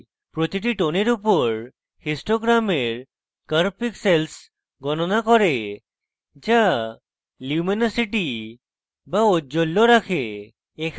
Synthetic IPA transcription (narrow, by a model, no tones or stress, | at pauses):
pɾot̪iʈiʈoneɾupɔɾ | hisʈoɡɾameɾ | kəɾpiksels | ɡɔnɔnakɔɾe | d͡ʒa | luminasiʈi | baoolːoɾakʰeː | kʰ